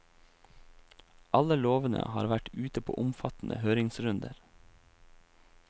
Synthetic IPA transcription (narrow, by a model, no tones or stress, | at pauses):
ʔɑləloːʋənə̰hɑːɾʋæʈʉːt̪əpʰo̰ːʔʊmfɑt̪n̩ʔə̰høːɾɪŋsɾʉnd̪əɾ